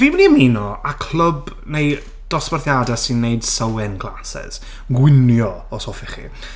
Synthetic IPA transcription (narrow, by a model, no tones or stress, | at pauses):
viːməniminɔakʰl̥ˠəb | nej | d̥ɔsparθjadasɪnːejd̥səwɛnɡlˠasɛ̰z̥ | ɡwɪnjɔ | ɔsoːfɪχḭ